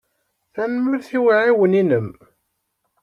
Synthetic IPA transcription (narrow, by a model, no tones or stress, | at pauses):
θænməɾθiwaʕiwəninəm